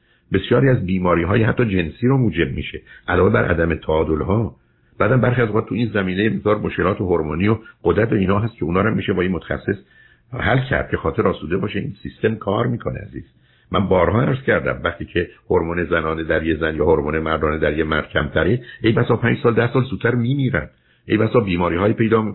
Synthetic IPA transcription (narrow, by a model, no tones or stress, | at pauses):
be̞sjɒːɾiæzbiːmɒːɾiːɦɒːjehæt̪ʰːɒːd͡ʒe̞nsiːɾomuːd͡ʒe̞b̚miʃeʔælɒːvebæɾʔæ̰d̪æmet̪ʰæːd̪olɦɒː | b̥æːd̪æmbæɾχiæzoʁɑːd̪t̪ʰuiːnzæmiːnejemezd̪ɒːɾmoʃkʲe̞lɒːt̪ʰoɦoɾmoːnijoɢ̥od̪ɾæt̪oiːnhɒːɦæst̪̚cʰe̞uːnɒːɾæmːiːʃebɒːiːnmot̪ʰæ̥xæ̰sːe̞s | hælcʰæ̰ɾd̪̥̚cʰe̞xɒːt̪e̞ɾɒːsuːd̪e̞bɒːʃeḭːnsist̪e̞mkʰɒːɾmiːkʰo̞nḛæ̰zḭːz̥ | mæ̰nbɒːɾhɒːæɾz̥cæɾd̪æ̰mvæχt̪iːcʰehoɾmuːne̞zænɒːned̪æɾjezænjɒːhoɾmuːnemæɾd̪ɒːned̪æɾjemæɾd̪̥̚cʰæmt̪ʰæɾeʔejbæsɒːpʰæːnd͡ʒsɒːld̪æhsɒːlzuːt̪ʰːæɾmiːmiːɾæ̰nd̪̥ | ʔejbæsɒːbiːmɒːɾiːhɒːiːpe̞jd̪ɒːmi